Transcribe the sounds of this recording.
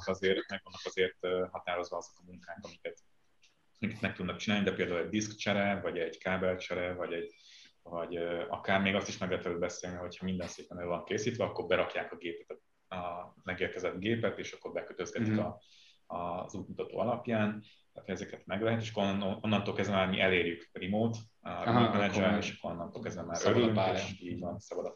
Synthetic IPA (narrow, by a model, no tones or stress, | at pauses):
ɒzeːrmɛɡʋɒnːɒkɒzeːrt̪ːɦɒt̪aːɾo̞zʋɒɒzo̞kɒmuŋkaːŋkɒmikɛt̪ | ɒmikɛ̥t̪mɛk̚t̪ud̪nɒk̚t͡ʃinaːlid̪ɛpeːld̪aːulɛɟd̪iskt͡ʃɛɾɛvɒɟɛɟkaːbɛlt͡ʃɛɾɛvɒɟɛɟvɒɟøɒ̰kaːrmeːɡɒst̪iʃmɛɡlɛɦɛt̪vɛlyːlbɛseːlniɦo̞cʰhɒmind̪ɛnseːpɛnøːvɒŋkeːsiːt̪ʋɛɒkːo̞rbɛɾɒkjaːkɒɡeːpɛt̪ɛ | ɒmɛɡeːrkɛzɛd̪ɡeːpɛt̪eːʃɒkːo̞ɾbɛkøt̪øzɡɛt̪ikɒ | zuːt̪mut̪ɒt̪o̰ːɒlɒpjaːnt̪aːt̪hʰɛzɛkɛt̪mɛɡlɛɦɛt̪̬eːʃ̬ɒkːononːɒnt̪oːlkɛzvɛmaːɾmiʔɛleːɾjykrimoːt̪ | ɒɾimɛnɛd͡ʒɛɾeːʃɒ̥kːoɾo̞nːɒnt̪oːlkɛzvɛmmaːɾʔøɾlyŋeʃiːɟvɒnsɒbɒd̪ɒ